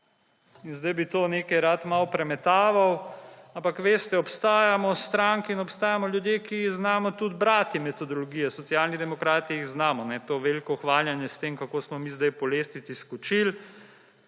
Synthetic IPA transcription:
inzd̪ajbit̪oːneːkɛjɾat̪mawpɾɛmɛt̪aːʋawampakʋeːst̪ɛɔpst̪aːjamɔst̪ɾaŋkinɔpst̪aːjamɔljud̪jeːkiiɣznaːmɔt̪ud̪bɾaːt̪jimɛt̪ɔd̪ɔlɔɡijɛsɔtsijaːlnid̪ɛmɔkɾaːt̪iiɣznaːmɔnɛt̪oːʋelikɔxʋaːljanjɛst̪eːmkakoːsmɔmiːzd̪ajpɔleːsnit̪siskut͡ʃil

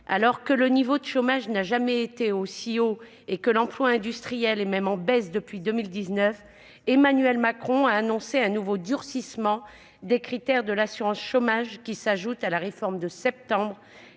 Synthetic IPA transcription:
a̰lɔʁkələnivod̪əʃomaʒnaʒamɛet̪eosio | ekəlɑ̃plwaɛ̃d̪yst̪χijɛlɛmɛmɑ̃bɛsd̪əpɥid̪əmild̪iznœf | emanyɥɛlmakχɔ̃aːnɔ̃seɛ̃nuvod̪yʁsismɑ̃ | d̪ekχit̪ɛʁd̪əlasyʁɑ̃sʃomaʒkʲisaʒut̪alaʁefɔʁmd̪əsɛp̚t̪ɑ̃bʁ

